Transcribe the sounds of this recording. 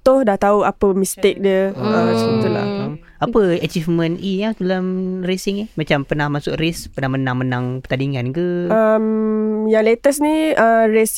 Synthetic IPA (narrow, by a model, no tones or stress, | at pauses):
t̪ʊhdaht̪auapəmist̪ek̚dəəsəbət̪ula̰ | apəat͡ʃifmə̃nʔijatulamresiŋimat͡ʃampənahmasʊkrispənahmənaŋmənãŋpə̥t̪adiŋankəəmjaŋlet̪əsniəɾes